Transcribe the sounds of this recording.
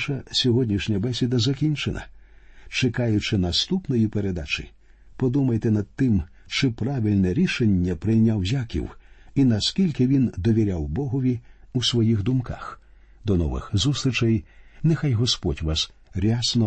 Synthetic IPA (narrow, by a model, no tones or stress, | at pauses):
ʃɐsʲɔɦɔdʲnʲiʃnʲɐbɛsʲid̪ɐzɐkʲinʲt͡ʃenɐ̰t͡ʃekajʊt͡ʃɪnɐst̪upnɔjipeɾed̪at͡ʃɪ̰ | pɔd̪umɐjt̪ɛnɐd̪̚t̪ɪm | t͡ʃɪpɾaʋʲilʲnɛɾʲiʃenʲːɐpɾɪjnʲawzʲakʲḭwinɐskʲilʲkɪʋʲind̪ɔʋʲiɾʲawbɔɦɔʋʲiusʋɔjixd̪ʊmka̰x | d̪ɔnɔ̰ʋɪ̰xzust̪ɾɪt͡ʃɐjnexajɦɔspɔtʲʋas | ɾʲasnɔ